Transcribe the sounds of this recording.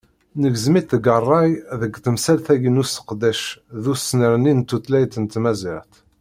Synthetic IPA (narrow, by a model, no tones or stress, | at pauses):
nəɡzmiθəɡərˤːɑjðəɡt̪əmsælθæɡənusə̥qd̪æʃðusnəɾnint̪ːut̪læjt̪ənt̪mæzəɾθ